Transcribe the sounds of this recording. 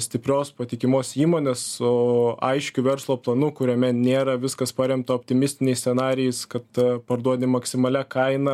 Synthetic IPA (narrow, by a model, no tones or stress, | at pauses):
sʲt̪ʲɪpʲɾʲoːspɐt̪ʲɪkʲɪmoːsiːmoːnʲeːsʊɐ̰ɪʃʲkʲʊʋʲɛɾslˠoːplˠɐnʊkʊɾʲoːmʲɛnʲeːɾɐʋʲɪskɐspɑɾʲɛmt̪ɐoːpʲt̪ʲɪmʲɪsʲt̪ʲɪnʲɛɪsʲsʲɛnɑːɾʲɪjɛɪskɐt̪pɐɾd̪uɔd̪ʲɪmɐksʲɪmɐlʲɛkɐɪnɐ